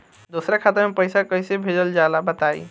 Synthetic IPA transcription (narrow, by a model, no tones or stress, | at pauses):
d̪osɾakʰat̪əɾmepəɪsakəjsebʱed͡ʒəld͡ʒalabət̪aḭ